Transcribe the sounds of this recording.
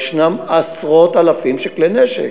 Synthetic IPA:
ʃnamasʁot̪alafimʃekleneʃḛ

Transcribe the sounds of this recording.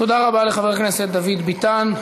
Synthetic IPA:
t̪od̪aʁabaleχaveʁkneset̪̚d̪avid̪bit̪an

